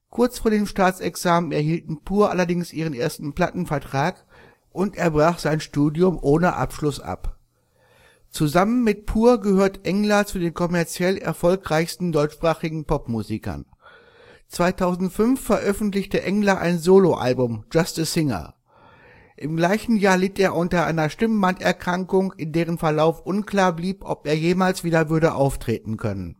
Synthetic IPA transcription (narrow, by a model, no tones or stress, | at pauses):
kʰʊɐt͡sfoːɐdeːmʃtaːt͡sɛksaːmənɛɐhiːltn̩pʰuːɐʔalɐdɪŋsʔiːʁ̞ənʔeːɐstn̩pl̥atn̩fɛɐtʁ̥aːk | ʔʊntʔeːɐbʁaːχz̥aɪnʃtuːdjʊmʔoːnəʔa̰pʃlʊsʔa̰p | t͡suzamənmɪt̚pʰuːɐɡəhøːɐtəʔɛŋlɐt͡sudeːnkʰɔmɛɐt͡sjɛlɛ̰ɐfɔlkʁaɪçstn̩dɔʏt͡ʃʃpʁ̥aːχɪɡŋ̩pʰɔpmuːzikɐ̰n | t͡sv̥aɪtʰaʊzn̩tfʏnfɛɐʔœfn̩tlɪçtəʔɛŋlɐʔa̰ɪnzoːloʔa̰lbʊmd͡ʒastəsɪŋɐ̰ | ʔɪmɡlaɪçn̩jaːɐlɪteːɐʔʊntɐʔa̰ɪnɐʃtɪmbantɛɐkʁ̥aŋkʊŋɪndeːʁ̞ənfɛɐlaʊfʔʊnkl̥aːɐbliːpʔɔ̰peːɐjeːmaːlsv̥iːdɐvʏɐɾəʔaʊftʁ̥eːtn̩kʰœnən